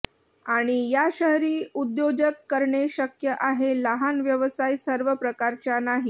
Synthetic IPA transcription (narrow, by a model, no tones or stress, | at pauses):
aɽ̃ijaɕəɦɾiːud̪jod͡ʑəkːəɾɳeɕəkjəʔaɦeləɦanʋjəʋəsajsəɾʋəpɾəkaɾt͡ɕjanaɦi